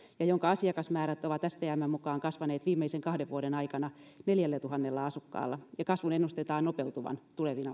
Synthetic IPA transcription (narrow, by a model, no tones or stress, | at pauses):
jɑjoŋkɑɑsiɑkɑsmæːɾæt̪ːˑoʋɑt̪ːæst̪ææmːæmukɑːŋkɑsʋɑneːt̪ʋiːmːeiseŋkɑhdeʋuoɾenɑikɑnɑneljælːæt̪uhɑnːelːɑɑsukːɑ̰ːlːɑjɑkɑsʋunenːust̪et̪ɑːnnopeut̪uʋɑ̰nt̪uleʋinɑ